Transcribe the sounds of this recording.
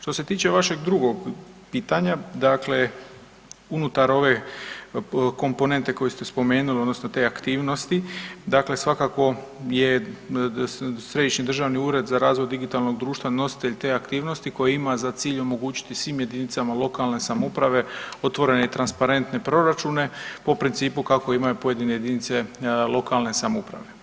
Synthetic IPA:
ʃt̪o̞se̞t̪iːt͡ʃe̞ʋaʃe̞ɡd̪ɾuɡo̞ɡpiːt̪aɲad̪akle̞ | unut̪aɾo̞ʋe̞ | ko̞mpo̞ne̞nt̪e̞ko̞jest̪espo̞me̞ːnulio̞d̪no̞sno̞t̪e̞ːakt̪iːʋno̞st̪id̪akle̞sʋakako̞ | je̞ | sɾe̞d̪iʃnid̪r̩ʒaʋniuːɾe̞d̪zaɾaːzʋo̞jd̪iɡit̪alˠno̞ɡd̪ɾuːʃt̪ʋano̞si̥t̪eʎt̪e̞ːakt̪iːʋno̞st̪iko̞jeimazat̪siːʎo̞mo̞ɡuːt͡ɕi̥t̪isʋiːmje̞d̪init̪samalˠo̞kalne̞samoupɾaʋe̞o̞t̪ʋo̞ɾe̞ne̞it̪ɾanspaɾe̞nt̪ne̞pɾo̞ɾat͡ʃune̞po̞pɾint̪siːpukako̞imajupo̞je̞d̪ineje̞d̪init̪se̞lˠo̞kalˠne̞samoupɾa̰ʋe̞

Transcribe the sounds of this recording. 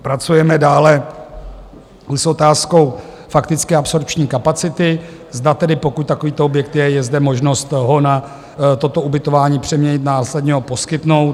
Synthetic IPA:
pɾat͡sujɛmɛdaːlɛ | so̞t̪aːsko̞w | fakt̪ɪt͡skɪapso̞ɾpt͡ʃɲiːkapat͡sɪt̪ɪ | zdat̪ɛdɪpo̞kuc̚ʲt̪akoviːt̪oobjɛk̚t̪jɛjɛzdɛmo̞ʒno̞st̪ɦo̞na | t̪o̞t̪o̞ubɪt̪o̞vaːɲiːpr̥ɛmɲɛɲɪt̪naːslɛd̪ɲɛɦopo̞skɪt̪nowt̪

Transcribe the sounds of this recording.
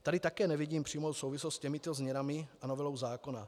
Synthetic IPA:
t̪adɪt̪akɛːnɛvɪɟiːmpr̝̥iːmosowvɪslost̪cɛmɪt̪ozmɲɛnamɪanovɛlo̞wzaːko̞na

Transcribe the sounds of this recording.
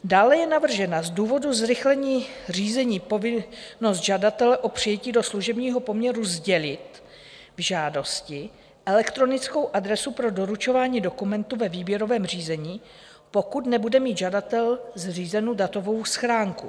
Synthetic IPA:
daːlɛjɛnavr̩ʒɛnazduːvo̞duzɾɪxlɛɲiːr̝iːzɛɲiːpo̞vɪno̞st̪ʒadat̪ɛlɛʔo̞pr̝̥ɪjɛciːdo̞sluʒɛbɲiːɦo̞po̞mɲɛɾuzɟɛlɪt̪ | vʒaːdo̞scɪ | ʔɛlɛkt̪ɾo̞nɪt͡skowʔad̪ɾɛsupɾo̞do̞ɾut͡ʃo̞vaːɲiːdo̞kumɛnt̪uvɛviːbjɛɾo̞vɛːmr̝iːzɛɲiː | po̞kut̪nɛbudɛmiːt̪ʒadat̪ɛlzriːzɛnowdat̪o̞vo̞wsxɾaːŋkṵ

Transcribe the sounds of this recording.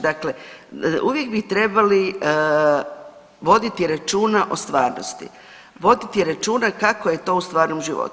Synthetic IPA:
d̪akle̞uʋje̞ɡbit̪ɾe̞bali | ʋo̞d̪it̪iɾat͡ʃuːnaʔo̞st̪ʋaːɾno̰st̪ḭ | ʋo̞d̪it̪iɾat͡ʃuːnakako̞je̞t̪o̞ːust̪ʋaːɾnomʒiʋo̰t̪u̥

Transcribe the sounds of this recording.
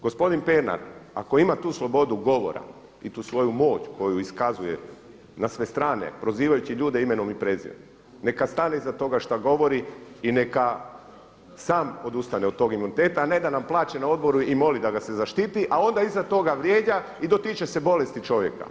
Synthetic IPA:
ɡo̞spo̞d̪inpeɾna̰ɾa̰ko̞imat̪uːslˠo̞bo̞d̪uɡo̞ʋo̞̰ɾa̰ | it̪uːsʋo̞jumo̞ːt͡ɕko̞juiskazujḛ | nasʋe̞st̪ɾaːnḛpɾo̞ziːʋajut͡ʃiʎuːd̪e̞ime̞no̞mipɾe̞zḭo̰m | ne̞kast̪ane̞izat̪o̞ɡaʃt̪aɡo̞ʋo̞ɾiine̞ka | saːmo̞d̪ust̪aneod̪̚t̪o̞ːɡimunit̪e̞ːt̪aːne̞d̪anamplˠaːt͡ɕenao̞d̪̚bo̞ɾuimo̞lid̪aɡase̞zaʃt̪it̪iʔao̞nd̪aizat̪o̞ɡaʋɾʲjeːd͡ʑa | id̪o̞t̪it͡ʃese̞bo̞le̞st̪it͡ʃo̞ʋje̞̰ka̰

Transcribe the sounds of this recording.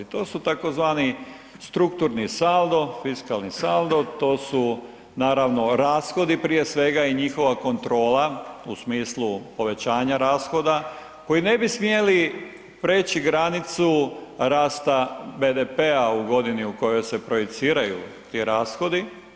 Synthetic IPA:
t̪o̞ːsut̪ako̞zʋaːni | st̪ɾuk̚t̪uɾnisald̪o̞fiskalnisald̪ot̪o̞ːsu | naːɾaʋno̞ɾaːsxo̞d̪ipɾije̞sʋe̞ɡaiɲixo̞ʋako̞nt̪ɾo̞ːlausmiːslˠupo̞ʋe̞t͡ɕaːɲaɾaːsxo̞d̪a | ko̞jine̞bismie̞li | pɾe̞ːt͡ɕiɡɾanit̪suɾaːst̪abe̞d̪epeauɡo̞d̪iniuko̞jo̞jse̞pɾo̞jit̪siːɾajṵt̪iɾaːsxo̞d̪i

